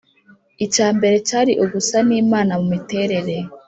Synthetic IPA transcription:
icaːmbe̞ɾecaːɾiʔuɡusaniːmaːnamumite̞ːɾe̞ɾe̞

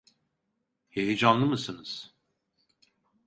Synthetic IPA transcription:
hejid͡ʒanlˠɯmɯsɯnɯz̥

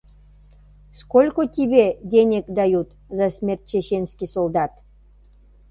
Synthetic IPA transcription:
skolʲkot̪ʲiβed̪enʲekd̪ɑjut̪ | zɑsmʲert̪̚t͡ɕeɕenskisold̪ɑt̪

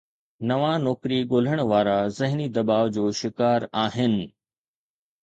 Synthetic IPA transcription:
nɐʋanɔːkɾiɠoːl̤əɽ̃̆ʋaːɾazɪɦnid̪ɐbaːʋd͡ʑoːʃɪkaːɾaːɦɪnɪ̆

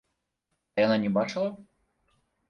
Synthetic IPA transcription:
ɐjananʲɛbat͡ʂɨlˠɐ

